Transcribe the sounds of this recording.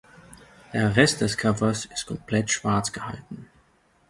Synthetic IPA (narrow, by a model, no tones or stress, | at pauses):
d̥eːɐʁɛst̚d̥ɛskʰœvɐsɪstkʰɔmpʰlɛtʃv̥aɐt͡sɡ̥əha̰ltn̩